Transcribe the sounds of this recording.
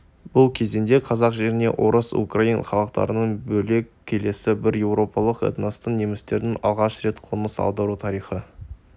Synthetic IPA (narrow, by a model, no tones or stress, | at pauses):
bʊlˠkʲʰe̞zend̪e̞qʰɑzɑqʒe̞ɾɪne̞̰wʔo̞ɾəsṵkrainχɑlˠəqt̪ɑ̰ɾənəɴbɵle̞kʲʰːe̞le̞sɪbɪɾje̞wɾo̞pɑlˠəqḛt̪nost̪ənnemɪst̪e̞ɾd̪ɪŋɑ̰lˠʁɑʃɾe̞t̪qʰonəsɑ̰lˠd̪ɑɾut̪ʰɑɾijχə